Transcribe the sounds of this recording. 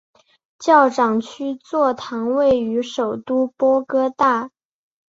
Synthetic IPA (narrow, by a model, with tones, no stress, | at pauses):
t͡ɕjɑ˥˩ʊʈ͡ʂɑ˨˩ŋt͡ɕʰy˥t͡swɔ˥˩t̪ʰɑ˧˥ŋwe˥˩ɪy˧˥ʂo˨˩ʊt̪u˥pwɔ˥kɤ˥t̪a˥˩